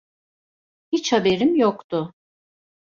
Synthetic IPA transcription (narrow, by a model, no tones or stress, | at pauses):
hit͡ʃhabe̞ɾimjokt̪ʰʊ